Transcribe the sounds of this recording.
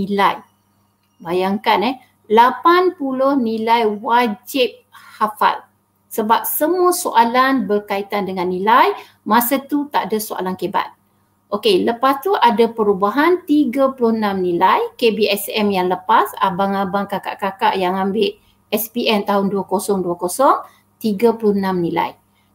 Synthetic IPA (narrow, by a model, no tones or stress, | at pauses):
nilaj | bajaŋkanɛh | lapanpulʊhnilajwad͡ʒɪp̚hafa̰l | səbap̚səmuəsoʔalanbərkait̪andəŋanːĩlaj | mãsat̪ut̪aʔadasoa̰lankeba̰t̪̚ | ʔokeləpast̪uʔadapəɾubaɦant̪iɡaplʊhənãmnĩlajkebiɛsɛmjaŋləpasa̰baŋabaŋkaka̰ʔkakaʔjaŋãmbɪʔ̚ | ɛspiʔɛnt̪aɦʊnduakosɔŋduakosɔŋ | t̪iɡaplʊhənãmnĩla̰j